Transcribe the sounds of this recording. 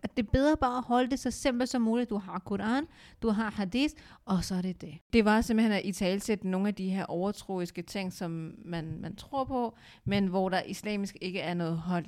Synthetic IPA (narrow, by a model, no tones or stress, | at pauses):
d̥e̝b̥eð̞ˠʁɐb̥ɑ̈ːæhɒ̽ləd̥e̝sɒsem̰b̥l̩sɒ̽muːlid̥uɦɑ̈kʰoɾɑ̈ːnd̥uɦɑ̈hɑ̈diːθʔɒ̽sɒ̽æɐɾ̥e̝d̥e̝d̥e̝ʋɑ̈semb̥l̩henæʔit͡sʰɛ̰ːlsed̥əno̝ːŋn̩æd̥iɦe̝ɐ̰ʔɒʊɐt͡sʰʁo̰ːisɡ̥ət͡sʰe̝ŋ̰sɒ̽mːænmænt͡sʰʁo̝ɐ̰pʰɒ̽ | menʋɒɾ̥ɑ̈ʔislɛ̰ːmisɡ̥e̝ɡ̥əæɐnɔ̽ːð̩ˠɦɒ̽l̰